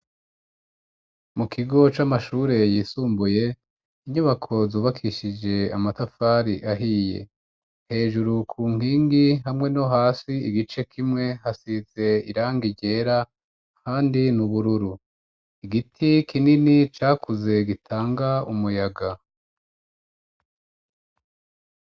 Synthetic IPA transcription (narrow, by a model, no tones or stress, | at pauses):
mukʰiɡo̞t͡ʃamaʃuːɾe̞jiːsuːmbuje̞ | iɲuβakʰo̞zuːβakʰiʃid͡ʒe̞amatafaːɾiʔaɦiːje̞̰ | he̞ːʒuɾukʰuːŋ̥iːŋɡiɦamŋe̞no̞ɦaːsiiɡit͡ʃe̞kʰimŋe̞hasize̞iɾaːŋɡiɟe̞ːɾa | kʰaːndinuβuɾuɾu | iɡitʰikʰininit͡ʃaːkʰuze̞ɡitʰaːŋɡaumujaɡa